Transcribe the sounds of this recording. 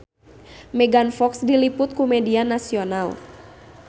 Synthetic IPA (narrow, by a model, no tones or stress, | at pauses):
mɛɡanfɔksdilipʊt̪̚kumɛdianasional